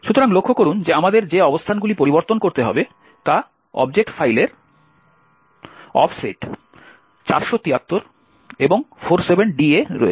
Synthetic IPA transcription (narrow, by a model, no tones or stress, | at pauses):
ʃut̪oɾaŋlokʰːokoɾund͡ʑeamad̪eɾd͡ʑeɔbost̪ʰanɡulipoɾiboɾt̪onkoɾt̪eɦɔ̰be | t̪a | ɔ̰b̚d͡ʑek̚ʈfajleɾ | ɔ̰fseʈ | t͡ɕa̰ɾʃot̪iat̪ːoɾ | eboŋfoɾsebenɖieɾɔ̰ḛ